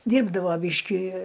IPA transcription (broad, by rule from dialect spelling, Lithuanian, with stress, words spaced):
ˈdʲiːrbdɐʋoː ˈbʲiːʃʲkʲɪ